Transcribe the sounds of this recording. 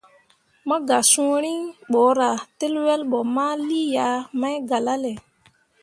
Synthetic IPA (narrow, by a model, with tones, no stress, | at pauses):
mɔ˦ɡa˨sũ˦ɾi˦ɓɔ˨˦ɾa˨te˦lwɛ˦lɓɔ˨ma˦li˦ja˨˦ma˦jɡa˨la˦lɛ˨